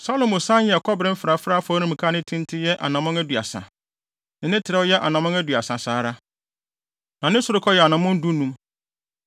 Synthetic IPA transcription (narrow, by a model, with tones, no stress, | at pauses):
sa˦lo˨mʊ̃˨sã˦njɛ˨kʰɔ˦bɾɪ̃˦m̩˦fɪ˨ɾa˨fɾa˦fɔ˦nĩ˦m̩̃˨kʰa˦nɪ̃˦tʰĩ˦n˦tʰɪ˦jɛ˦ʔa̰˨nã˨mʊ̃˦ŋæ˦du˨a̰˨sã̰˨ | nɪ̃˨nɪ̃˦tʰɪ˨ɾɛ˦wjɛ˦ʔa˨nã˨mʊ̃˦ŋæ˦dɥa˨sã˨saː˨˦ɾa˦ | nã˨nɪ̃˦sʊ˨ɾʊ˦kʰɔ˦jɛ˨a˨nã˨˦mʊ̃˦n̩˦du˦nũ˦m